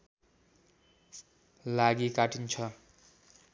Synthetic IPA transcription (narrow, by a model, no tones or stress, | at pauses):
laɡikaʈint͡sʰʌ